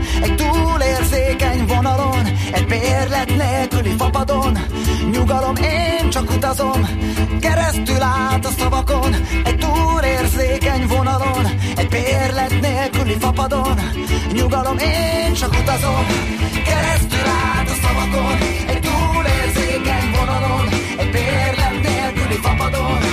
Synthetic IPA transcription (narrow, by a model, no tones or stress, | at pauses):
ɛɟ̚t̪uːleːrzeːkɛɲvo̞nɒlo̞nɛɟ̚beːrlɛt̪neːlkylifɒpɒd̪o̞n | ɲuɡɒlo̞meːnt͡ʃɒkut̪ɒzo̞mkɛɾɛst̪ylaːt̪ɒsɒvɒko̞nɛɟ̚t̪uːleːrzeːkɛɲvo̞nɒlo̞n | ɛɟ̚beːrlɛt̪neːlkylifɒpɒd̪o̞n | ɲuɡɒlo̞meːnt͡ʃɒkut̪ɒzo̞m | kɛɾɛst̪ylaːt̪ɒsɒvɒko̞n | ɛɟ̚t̪uːleːrzeːkɛɲvo̞nɒlon | ɛɟ̚beːrlɛt̪neːlkylifɒpɒd̪on